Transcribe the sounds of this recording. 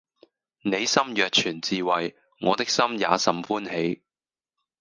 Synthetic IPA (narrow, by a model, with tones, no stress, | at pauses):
ne˨˧jsɐ˥mjœː˨k̚t͡ʃʰyː˨˩nt͡siː˨˧wɐ˨j | ŋɔː˨˧t̪ɪ˥k̚sɐ˥mja̰ː˨˧sɐ˨mfuː˥nhe˨˥j